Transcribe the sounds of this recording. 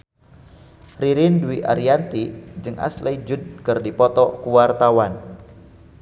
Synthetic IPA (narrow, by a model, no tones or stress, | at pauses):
riɾɪndwiʔa̰ɾiant̪id͡ʒɨŋʔa̰sled͡ʒud̚kɨrdipɔt̪ɔkuwart̪awan